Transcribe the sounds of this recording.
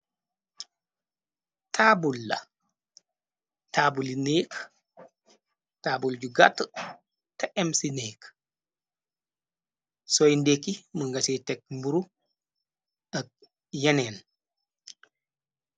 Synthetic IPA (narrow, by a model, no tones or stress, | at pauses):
tʰaːbulːɐ̰ | taːbulineːk | taːbulɟuɡatː | tɐʔɛmsineːk | sɔjndekːiməŋɡɐsɛtɛk̚mbuɾu | ɐk̚ | jɐnɛːn